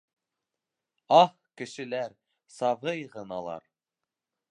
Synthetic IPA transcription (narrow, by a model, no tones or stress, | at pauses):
ɑh | kɘ̆ʃɘ̆læɾ | sɑvɤjʁɤ̆nɑlˠɑ̰ɾ